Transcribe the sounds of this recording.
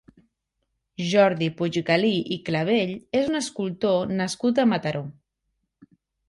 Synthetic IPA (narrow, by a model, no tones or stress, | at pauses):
ʒɔɾðipuʒɣəliʔikləβ̞eʎezunəskulˠt̪onəskut̪əmət̪əɾʔo